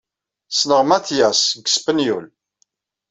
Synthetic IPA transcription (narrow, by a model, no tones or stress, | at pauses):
snəʁmæθjæsɡə̥spənjul